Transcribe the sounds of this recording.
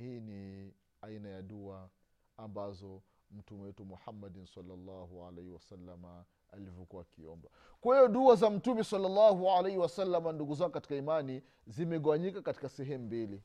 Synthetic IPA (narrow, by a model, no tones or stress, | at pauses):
hiːni | ainajaɗua | ambazɔm̩tumɛwɛtumuħamːadinsalːalːɑhua̰lɛjhiwasalːama | a̰livjɔkuwaːkiɔ̰mba | kwɛjɔɗuazam̩tumɛsalːalːahualejhiwasalːamanduɡuzakɔkati̥kaimani | zimɛɠɔwaɲikakati̥kasɛɦɛmumbili